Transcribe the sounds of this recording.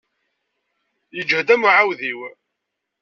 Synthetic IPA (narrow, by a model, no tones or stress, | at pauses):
jəd͡ʒhd̪æmuʕawðiw